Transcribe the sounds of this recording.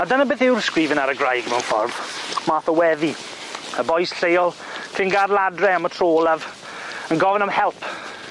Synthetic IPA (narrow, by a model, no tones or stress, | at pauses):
adənabeːθɪwrskɾiːvənaɾəɡrajɡmɛwnfɔ̰rð̥maːθəwɛvi | əbɔjsɬejɔlˠ | kʰɪnɡadlˠadrɛamətʰr̥oːlˠav | ənɡɔvənamhɛlˠpʰ